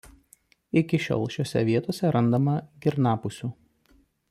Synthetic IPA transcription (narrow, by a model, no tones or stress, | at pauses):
ɪkʲɪʃʲo̰ːlˠʃʲoːsʲɛ̰ʋʲiɛt̪oːsʲɛɾɐnd̪ɐmɐɡʲɪɾnɑːpʊsʲuː